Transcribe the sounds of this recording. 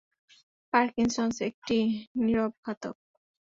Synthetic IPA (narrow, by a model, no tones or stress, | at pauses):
paɾkiŋsonsek̚ʈiniɾobʱːat̪o̰k̚